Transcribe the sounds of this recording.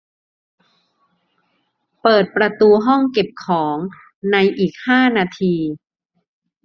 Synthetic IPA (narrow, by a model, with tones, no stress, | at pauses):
pɤː˨˩t̪̚pɾa˧t̪uː˧ɦɔ˥˩ŋke˨˩p̚kʰɔː˩˦ŋ | na˧jʔiː˨˩k̚haː˥˩naː˧t̪ʰiː˧